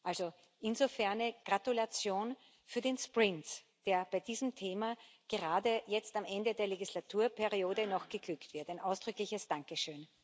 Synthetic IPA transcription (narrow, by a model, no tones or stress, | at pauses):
ʔalzo | ʔɪnzofɛɐnɛɡ̥ʁatulat͡sjoːn | fyːɐdeːnspʁɪnt | d̥eːɐb̥aɪd̥iːzəm̩tʰeːmaɡ̥əʁaːdəjɛt͡stamʔɛndədeːɐleɡislatʰuːɐpʰɛɐʁioːdənɔxɡ̥əɡ̥lʏktv̥ɪɐtæɪnʔaʊsd̥ʁʏklɪçəsd̥aŋkəʃøːn